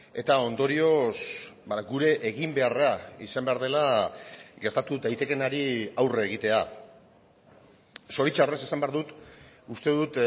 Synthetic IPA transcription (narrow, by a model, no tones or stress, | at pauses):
e̞t̪ao̞nd̪o̞ɾio̞sbaɡuɾe̞ʔːɣimbe̞araisambe̞aɾð̞e̞la | ɡe̞ɾt̪at̪ud̪ajt̪e̞ke̞naɾiawreɣ̞it̪e̞a | so̞ɾit͡ʃare̞sesambe̞aɾðut̪ust̪e̞ðut̪